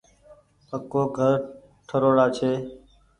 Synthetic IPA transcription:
pəkːoːɡʱəɾ | ʈʰəɾoːɽaːt͡ʃʰeː

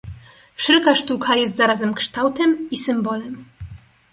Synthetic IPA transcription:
fʂɛlkaʂt̪ukʰajɛst̪zaɾazɛmkʂt̪awt̪ɛmisɘmbɔlɛm

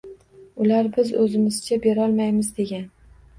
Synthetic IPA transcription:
ʊlaɾbɪzɵzɪmɪzɪt͡ʃʰabeɾɒlˠmajmɪzd̪e̞ɡʲan

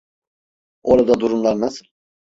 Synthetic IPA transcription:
oɾad̪ad̪uɾumlˠaɾnasɯlˠ

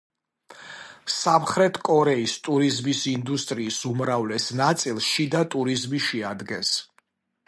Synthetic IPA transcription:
samχɾɛt̪ʰkʼɔɾɛist̪ʼuɾizmisind̪ust̪ʼɾiːsumɾavlɛsnat̪sʼilˠsʃid̪at̪ʼuɾizmiʃɛad̪ɡɛns

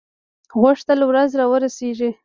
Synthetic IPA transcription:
ɣʊʂt̪alawɾazɾɑwəɾaseʐi

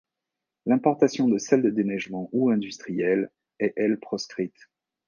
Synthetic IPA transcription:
lɛ̃pɔʁt̪asjɔ̃d̪əsɛld̪əd̪enɛʒmɑ̃ʔuɛ̃d̪yst̪χijɛl | ɛʔɛlpχɔskχit̪

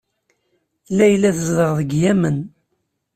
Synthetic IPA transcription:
lːæjlːæθəzðəʁðəɡjæmən

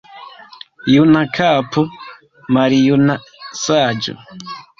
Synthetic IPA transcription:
junakʰapʰu | maɾijunasaːd͡ʒo̰

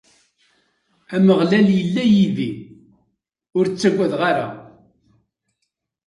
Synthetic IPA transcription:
æməʁlæljəlːæjiði | ʊɾt͡sːæɡʷːæðʁaɾa̰

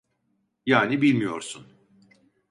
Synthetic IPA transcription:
jaːnibilʲmijo̞̰ɾsun

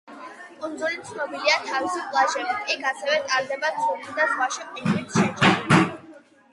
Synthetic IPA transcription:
kʼɔnd̪zulit̪sʰnɔbiliat̪ʰavisipʼlˠaʒɛliikʰasɛvɛt̪ʼaɾd̪ɛbat̪sulisd̪azχwaʃɛqʼwinipsʃɛt͡ʃɛ

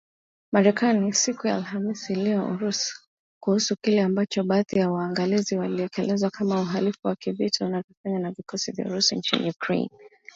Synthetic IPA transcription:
maɾɛkanisikujaːlhamisilɛɔṵɾus | kuhusukilɛambat͡ʃɔɓaːðijawaːŋɡaliziwaliɛkɛlɛzwakamauɦalifuwakivitʰaunavɔfaɲanavikɔsivja̰uɾusint͡ʃḭnḭjukɾḛjn

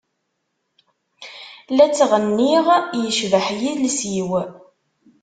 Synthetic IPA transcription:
læt͡sːʁənːiʁjəʃvəħjiðlsiw

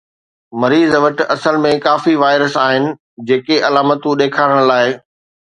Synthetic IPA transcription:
mɐɾiːzʋɐʈɐsəlmẽkaːfiʋaːɪɾəsaːɦɪnɪ̆ | d͡ʑeːkeɐlaːmət̪ũɗeːkʰaːɾəɽ̃laːɪ

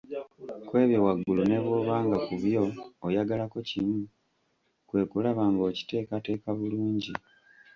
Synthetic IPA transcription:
kwe̞ːβjewaɡːulune̞βoβaːŋɡakuβjo̞ːjaɡalako̞cimu | kwe̞ːkulaβaːŋɡo̞ːci̥te̞ːkate̞ːkaβuluːɲɟi

